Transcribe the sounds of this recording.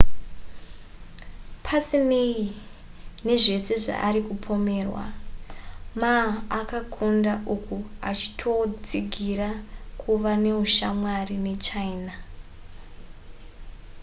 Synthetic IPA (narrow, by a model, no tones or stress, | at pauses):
pʰasinei | ne̞ʐe̞se̞ʐa̰ʔaɾikupʰo̞me̞ːrwa̰ | maakakʰundaʔukʰua̰t͡ʃi̥tʰo̞d͡ziɡʱiɾakʰuʋane̞ɦuʃamwarine̞t͡ʃaina